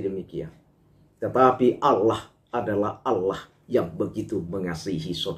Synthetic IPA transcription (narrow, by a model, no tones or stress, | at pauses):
dəmikian | t̪ət̪apiʔalah | adalahalːah | jaŋbəɡit̪uməŋasiɦisod